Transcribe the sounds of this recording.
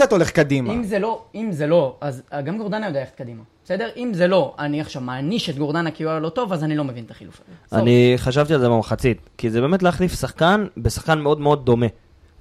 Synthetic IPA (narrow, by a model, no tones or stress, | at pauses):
at̪o̞leχkad̪imimzelo̞imzelo̞azaɡamɡo̞ʁd̪anajod̪ajeχe̥t̚kad̪imabese̞d̪e̞ʁimzelo̞aniaχʃavmaːniʃet̪ɡoʁd̪anakiualo̞t̪o̞vazanilo̞me̞vint̪ḁχilṵfazeʔa̰niχaʃ̬avt̪ialzebamχat͡sit̪kizebe̞ːme̞t̪leaχlifsaχkanbesḁχkanmeo̞d̪meo̞d̪̚ːo̞me̞